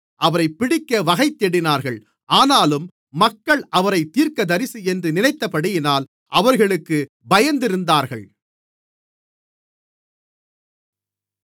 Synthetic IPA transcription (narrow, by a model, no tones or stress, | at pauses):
ʔɐʋɐɾɐɪpːɪɽɪkːɐʋɐɣɐɪt̪ːɛɽɪnaːɾɣɐɭ | ʔaːnaːlɯmː | ɐkːɐɭʔɐʋɐɾɐɪt̪ːiːɾkɐd̪ɐɾɪsiɛndrɯnɪnɐɪt̪ːɐpːɐɽɪjɪnaːl | ʔɐʋɐɾɣɐɭɯkːɯ | bɐjɐnd̪ɪɾɯnd̪aːɾɣɐ̰ɭ